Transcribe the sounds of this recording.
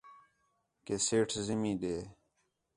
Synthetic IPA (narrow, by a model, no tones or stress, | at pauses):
keseːʈʰzɪmĩːɗ̪eː